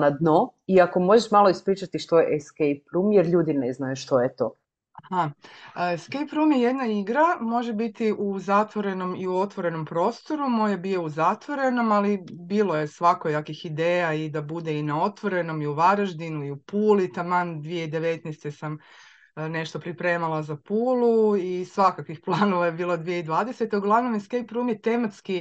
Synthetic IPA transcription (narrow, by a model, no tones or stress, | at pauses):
nad̪noiako̞mo̞ʒeʃmalˠo̞ispɾiːt͡ʃat̪iʃt̪ojḛʔskejp̚ɾumjeɾʎuːd̪ineznajuʃt̪ojet̪o̰ | aha | skejpɾumjeje̞d̪naiɡɾamo̞ʒebit̪iʔuzat̪ʋo̞ɾe̞no̞miuo̞t̪ʋo̞ɾe̞no̞mpɾo̞ːst̪o̞ɾumo̞jabijouzat̪ʋo̞ɾe̞no̞malibiːlˠo̞je̞sʋakojakixid̪eːjaid̪abud̪e̞inao̞t̪ʋo̞ɾe̞no̞miuʋaɾaʒd̪inuiupuːlit̪amand̪ʋije̞id̪e̞ʋe̞t̪nɛst̪e̞sam | ne̞ʃt̪o̞pɾipɾe̞ːmalˠazapuːluisʋakakʋixplˠaːno̞ʋajebiːlˠod̪ʋijeid̪ʋaːd̪e̞se̞t̪euɡlˠaʋno̞mjeskejpɾumjet̪e̞mat̪ski